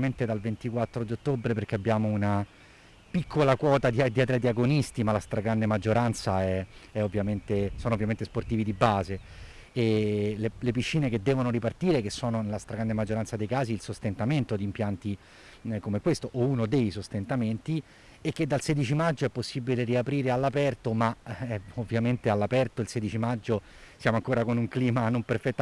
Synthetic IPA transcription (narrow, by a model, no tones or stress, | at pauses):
ment̪ed̪alvent̪ikwat̪ːɾod̪iot̪ːobɾeperk̟eabːjaːmouna | pikʰːolakwɔːt̪ad̪iad̪iad̪ɾead̪iaɡonist̪imalast̪ɾaɡɾand̪emad͡ʒːoɾant̪saɛɛovːjament̪esɔːnovːjament̪esport̪iːvid̪ibaːze | elelepit͡ʃːiːneked̪ːɛːvonoɾipart̪iːɾek̟esːɔːnonelast̪ɾaɡɾand̪emad͡ʒːoɾansad̪ejkaːziːlsost̪ent̪ament̪od̪impjant̪i | komekwest̪oʔounod̪ejsost̪ent̪ament̪i | ek̟ːed̪ːalsed̪it͡ʃimad͡ʒːoɛpːosːibileriapɾiːɾealːapɛrt̪omaɛovːjament̪ealːapɛrt̪oilsed̪it͡ʃimad͡ʒːo | sjaːmoaŋkoːɾakonuŋkliːmanomperfɛt̪ːa